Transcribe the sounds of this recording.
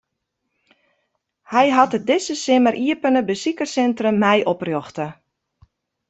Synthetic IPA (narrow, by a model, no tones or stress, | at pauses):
hɛjɦɑtət̚dɪsəsɪməɾʔiəpənəbəsikəsɛntrəmːɛjʔɔprjoxtə